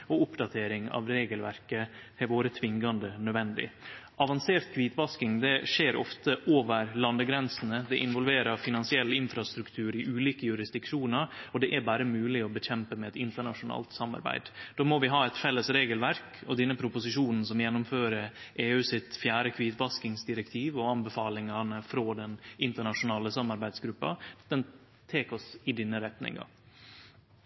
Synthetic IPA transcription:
ɔʊpd̪ɑt̪ʰeːɾɪŋɑ̰ʋɾeːɡəlʋæ̰ɾkət̪ʰɪlʋoːɾət̪ʰʋɪŋɡɑnd̪ənœd̪ʋɛnd̪ɪ̰ʔɑʋɑnseːɾt̪̚kʰʋiːt̪ʋɑskɪŋd̪ɛʂeːɾɔ̰ft̪əʔoːʋəɾlɑnd̪əɡɾɛnsn̩əd̪ɛʔɪnʋɔlʋeːɾɑɾfɪnɑnsɪɛlːɪnfɾɑst̪ɾʉkt̪ʰʉːɾɪʔʉːliːkəjʉɾɪsd̪ɪkʂuːnəɾɔd̪ɛʔæɾbæːɾəmʉːlɪɔbəçɛmpəmɛɛt̪ɪnt̪əɳɑʂʊnɑ̰ːlt̪sɑmɑ̰ɾbæ̰ɪd̪d̪̥oːmɔʋɪɦɑːɛt̪fɛlːəsɾeːɡəlʋæɾkɔd̪ɛnːəpʰɾʊpʊsɪʂuːnn̩sɔmjɛnːʊmføːɾəɾʔeːʉːsɪt̪fjæːɾəkʰʋiːt̪bɑskɪŋsd̪ɪɾɛk̚t̪ʰiːʋɔɑnbəfɑːlɪŋɑnəfɾoːd̪ɛnʔɪnt̪əɳɑʂʊnɑːləsɑmɑɾbæɪd̪sɡɾʉpːɑ̰d̪̥ɛn | t̪ʰeːkɔsɪd̪ɪnːəɾɛt̪nɪ̰ŋɑ̰

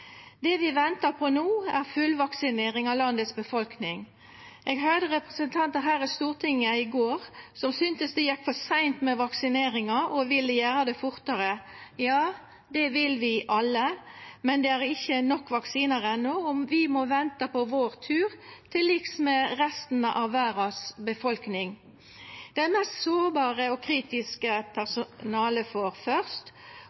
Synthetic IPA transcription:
d̪ɛʋɪʋɛnt̪ɑpʰɔnuːæʁfʉlʋɑksɪneːʁɪŋɑlɑnd̪ət̪sbəfɔlknɪŋ | ʔeːɡɦød̪əʁɛpʁəsənt̪ʰɑnt̪əɦæːɾəst̪uːʁt̪ʰɪŋːəɪɡoːʁsɔmsʏnt̪əsd̪ɛjɛkːfɔsæɪnt̪mɛʋɑksɪneːɾɪŋɑʔɔʋɪlːəjæːɾəd̪ɛfʊʁt̪ɑɾəjɑː | d̪ɛʋɪlʋɪʔɑlːəmɛnd̪ɛæɾɪçːənɔkːʋɑksiːnəʁɛnːɔɔmʋɪmɔʋɛnt̪ɑpɔʋoːɾt̪ʰʉːʁt̪ʰɪlɪksmɛʁɛst̪n̩əʔɑʋːæːɾɑsbəfɔlknɪŋ | d̪̥ɛæmɛst̪soːʁbɑːʁəɔkʰɾiːt̪ɪskəpʰæʁsʊnɑːləfɔɾfœʁst̪

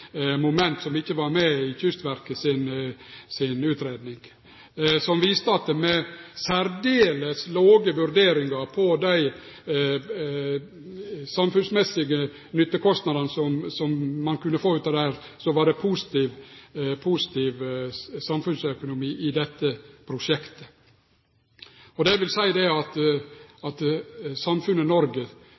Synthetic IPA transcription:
mʊmɛnt̪sɔmɪçːəʋɑɾmɛɪçʏst̪ʋæɾkəsɪnsɪnʉːt̪ɾeːd̪nɪŋ | sɔmʋiːst̪əɑt̪̚d̪ɛmɛsæɾd̪eːləsloːɡəʋʉɾd̪eːɾɪŋɡɑpʰɔd̪æɪ | sɑmfʉnsmɛsɪɡə | nʏt̪ːəkʰɔst̪nɑd̪ənəsɔmsɔmːɑnkʉnːəfoːʉːt̪ɑʋd̪ɛhæːɾsɔʋɑɾɖɛpʰuːsɪ̥t̪iːʋpʰusɪ̥t̪ʰiːʋsɑmfʉnsœkʊnʊmiːʔɪd̪ɛt̪ːəpʰɾʊʂɛkt̪ə̥ | ɔd̪ɛʋɪlsæɪd̪ɛɑt̪ | ɑt̪sɑmfʉnːənɔɾɡə

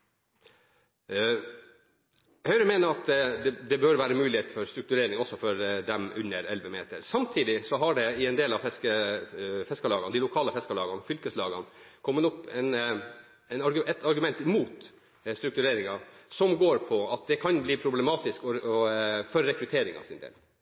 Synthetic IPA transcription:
hœʏɾəmeːnəɾɑt̪d̪ɛd̪ɛbœɾʋæːɾəmʉːlɪheːt̪fɔɾst̪ɾʉk̚t̪ʉɾeːɾɪŋɔsːɔfɔɾd̪ɛmʉnːəɾɛlʋəmḛːt̪ə̰ɾsɑmt̪ʰiːd̪ɪsɔɦɑɖɛɪɛnd̪eːlɑʋfɛskə | fɛskɑlɑːɡɑnd̪ɪlʊkʰɑːləfɛskɑlɑ̰ːɡɑnfʏlkəslɑːɡɑnkʰɔmːənɔpːɛn | ɛɪnɑɾɡʉɛt̪ɑɾɡʉmɛnt̪muːt̪ | st̪ɾʉkt̪ʉɾeːɾɪŋɑsɔmɡoːɾpʰɔɑt̪̚d̪ɛkʰɑnbliːpʰɾʊblɛmɑːt̪ɪskɔ | fɔɾːɛkɾʉt̪ʰeːɾɪŋɑ̰ʋsɪnd̪ḛːl

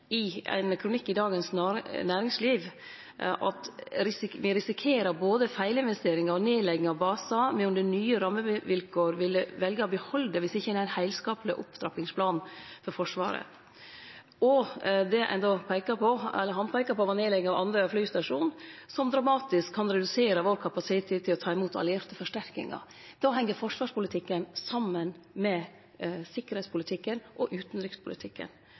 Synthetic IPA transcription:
ɪæ̰ɪnkʰɾʊnɪkːɪd̪ɑːɡənsnːnæːɾɪŋsliːʋ | ʔɑt̪ɾɪsʋɪɾɪsɪkʰeːɾəɾboːd̪əfæɪlɪnʋɛst̪eːɾɪŋɑɾɔneːlɛɡɪŋɑʋbɑːsɑmɛnʊnd̪ənyːəɾɑmːəʋɪlkʰoːɾʋɪləʋɛlɡəɔbəhɔlːd̪ɛʋɪsɪçːəd̪ɛæɾɪnhæɪlskɑːplɪʔʊ̰pd̪ɾɑpɪŋspʰlɑːnfɔɾfɔʂʋɑ̰ːɾə̰ | ɔd̪ɛʔæ̰nd̪opʰæɪkəpʰɔɛ̰lːəɾɦɑnpʰæɪkɑɾpɔʋɑnjeːlɛɡŋɑʋɑ̰nd̪ɾəflyːst̪ɑʂuːnsɔmd̪ɾɑmɑːt̪ɪskʰːɑnɾɛd̪ʉseːɾəʋoːɾkʰɑpɑsɪet̪ʰːɛt̪ʰːɪlɔt̪ʰɑːɪmuːt̪ʰɑ̰lɪɛːɾt̪əfɔʂʈæɾkɪ̰ŋɑ̰ | d̪̥ɑːɦɛŋːəɾfɔʂʋɑːʂpʊlɪt̪ʰɪkːənsɑmːənmɛ | sɪkːəɾhɛɪspʰʊlɪt̪ʰɪkːənʔɔʔʉːt̪nɾʏkspʰʊlɪt̪ʰɪkːə̰n

